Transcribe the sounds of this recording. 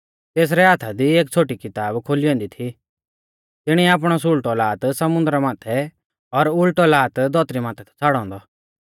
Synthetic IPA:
t̪eːs̬ɾɛɦaːt̪ʰad̪ieːk̚t͡sʰoːʈikɪt̪aːbkʰoːliɔ̃ːnd̪it̪ʰi | t̪ɪɽ̃iaːp̬ɽ̃ɔs̬ʊlʈɔlaːt̪sɐmʊ̃nd̪ɾamaːt̪ʰɛ | ɔɾʊlʈɔlaːt̪d̪ʱɔːt̪ɾimãːt̪ʰɛt̪ʰɛ̥t͡sʰaːɽɔ̃ːnd̪ɔ

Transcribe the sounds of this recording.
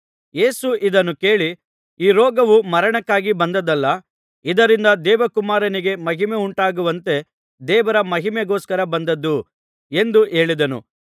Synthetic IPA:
je̞ːsuʔid̪ɐnːuke̞ːɭi | iːɾɔːɡɐʋumɐɾɐɳɐkːaːɡibɐnd̪ɐd̪ɐlːɐ | id̪ɐɾind̪ɐd̪ɛːʋɐkumaːɾɐniɡe̞mɐɦimeuɳʈaːɡuʋɐnt̪e̞ | d̪ɛːʋɐɾɐmɐɦimeɡoːskɐɾɐbɐnd̪ɐd̪ːu | e̞nd̪uʔe̞ːɭid̪ɐnṵ

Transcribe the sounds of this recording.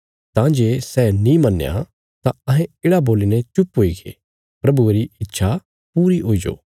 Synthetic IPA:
t̪ãːd͡ʒeːsɛːnĩmɐnːja̰ | t̪ãɐɦɛ̃ɪːɽaboːlinɛt͡ʃʊpɦoːiɡḛː | pɾɐbueɾiɪtːʃʰa | puːɾiɦoːid͡ʒo̰ː

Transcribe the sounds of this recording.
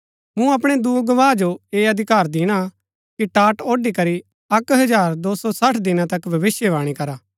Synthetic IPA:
mũɐpɽ̃ed̪uːɡɐʋãːd͡ʒoeːɐd̪ʱɪkaːɾd̪ɪːɽ̃a | kiʈaːʈoːɖikɐɾi | ɐkɦɐd͡ʒaːɾd̪oːsɔsɐʈʰd̪ɪnãt̪ɐkbʱɐʋɪsjəʋaːɽ̃ikɐɾaː

